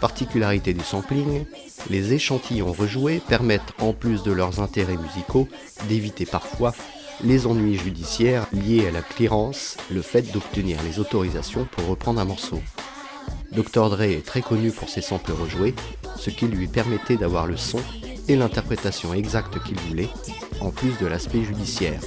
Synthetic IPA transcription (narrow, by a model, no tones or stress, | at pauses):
paʁt̪ikʲylaʁit̪ed̪ysɑ̃pliŋ | lezeʃɑ̃t̪ʰijɔ̃ʁəʒwepɛʁmɛt̪ɑ̃plysd̪əlœʁzɛ̃t̪eʁɛmyziko | d̪evit̪epaʁfwa | lezɑ̃nɥiʒyd̪isjɛʁljealakliʁɑ̃sləfɛt̪̚d̪ɔpt̪ənḭʁlezot̪ɔʁizasjɔ̃puʁːəpχɑ̃d̪ʁɛ̃mɔʁso | d̪ɔkt̪ɔʁd̪ʁeɛt̪χɛkɔnypuʁsesɑ̃pləʁəʒwe | səkʲilɥipɛʁmɛt̪ɛd̪avwaʁləsɔ̃ | elɛ̃t̪ɛʁpχet̪asjɔ̃ɛɡzakt̪kʲilvulɛ | ɑ̃plys̬d̪əlaspɛʒyd̪isjɛ̰ːʁ